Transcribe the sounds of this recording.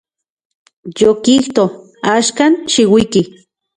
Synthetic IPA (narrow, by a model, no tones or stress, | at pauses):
jokiht̪o | aʃkanʃiwiki